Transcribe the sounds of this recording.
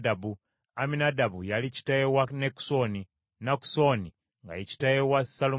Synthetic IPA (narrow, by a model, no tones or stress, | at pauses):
dabu | aminadabujalit͡ʃi̥tajewaneku̥soni | naku̥soni | ŋɡa̰jit͡ʃi̥tajewasalo